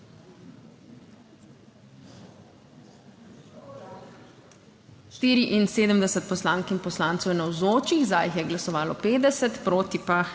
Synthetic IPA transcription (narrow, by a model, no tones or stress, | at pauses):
ʃt̪iːɾiʔinseːd̪əmd̪ɛsət̪̚pɔslaːŋkimpɔslaːnt̪sɔwjɛnawzoːt͡ʃiɣzajxjɛɡlasɔʋaːlɔpeːd̪ɛsɛt̪pɾoːt̪ipa